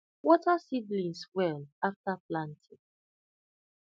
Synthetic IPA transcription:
wɔtasiblĩnswɛlaftaplãntʰĩ

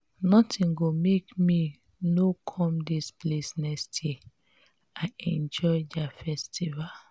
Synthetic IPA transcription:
nɔtʰĩŋɡomekmi | nokʰɔ̃mdisplesnɛkstʰje | aɪɛ̃nd͡ʒɔɪdafɛstival

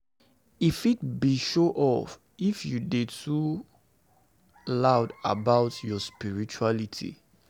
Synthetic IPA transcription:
ifit̚biʃoʔɔf | ifjudetʰu | laʊda̰baʊtjɔspiɹit͡ʃualitʰḭ

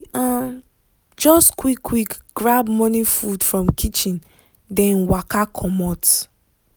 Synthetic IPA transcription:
a | d͡ʒɔstkwikʰːwikɡ̥ɹabmɔnĩfudfɹɔ̃mkʰit͡ʃĩn | dɛ̃nwakakʰɔmɔt

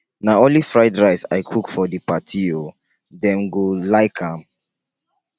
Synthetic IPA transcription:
naɔ̃nlifɹaɪdɹaɪsa̰ɪkʰukfɔdipatʰio | dɛ̃mɡolaɪkʰãm

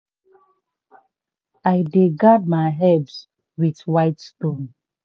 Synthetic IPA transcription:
aɪdeɡad̚maɪɦɛbs | widwaɪtstõn

